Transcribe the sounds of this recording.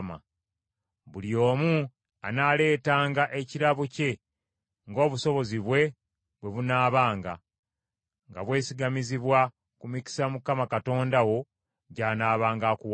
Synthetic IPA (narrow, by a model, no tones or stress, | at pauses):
ma̰ | βulio̞ːmu | anaːle̞ːtaːŋɡaʔe̞ciɾaβuce̞ | ŋɡo̞ːβuso̞βo̞ziβwe̞ | βwe̞βunaːβaːŋɡa | ŋɡa̰βwe̞ːsiɡamiziβwa | kumici̥samukamakato̞ːndawo̞ | ɟaːnaːβaːŋɡaːkuw